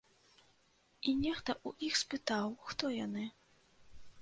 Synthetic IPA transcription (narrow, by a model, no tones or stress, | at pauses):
inʲɛxt̪ɐʔuʔixspɨt̪awxt̪ɔjanɨ